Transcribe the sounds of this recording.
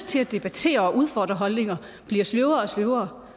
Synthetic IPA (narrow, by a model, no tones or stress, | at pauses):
t͡sʰe̝læd̥e̝b̥æt͡sʰe̝̰ːɐɒ̽ʔuð̞ˠfɒ̰ːd̥ʁɐɦɒ̽lne̝ŋɐ | b̥liɐsløʊɐɒ̽sløʊɐː